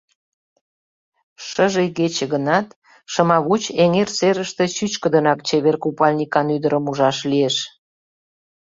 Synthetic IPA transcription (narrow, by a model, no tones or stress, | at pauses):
ʃəʒəjɡet͡ɕĕɣənɑt̪ | ʃə̆mɑβut͡ɕeŋerseɾəʃt̪ĕt͡ɕyt͡ɕkəd̪ənɑkt͡ɕeβerkupɑlʲnʲikɑnyd̪əɾəmuʒɑʃlieʃ